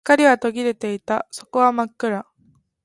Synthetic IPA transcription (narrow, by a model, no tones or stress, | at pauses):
kːaɾʲiβat̪o̞ɡʲiɾe̞t̪e̞it̪aso̞ko̞βamakːɯ̟ɾa